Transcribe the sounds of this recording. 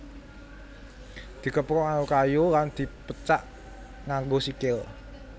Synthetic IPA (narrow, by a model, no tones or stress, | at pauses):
d̪̥i̤kəpɾɔŋajukajoland̪̥i̤pət͡ʃaʔ | ŋaŋɡosikɪl